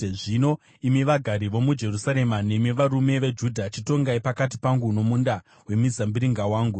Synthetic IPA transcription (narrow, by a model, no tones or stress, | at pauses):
ʐino | imiʋaɡʱaɾiʋo̞mud͡ʒe̞rusaɾe̞mane̞miʋaɾume̞ʋe̞d͡ʒudʱat͡ʃito̞ŋɡaipakat̬ipaŋɡuno̞munda | we̞mid͡zambiɾiŋɡawaːŋɡu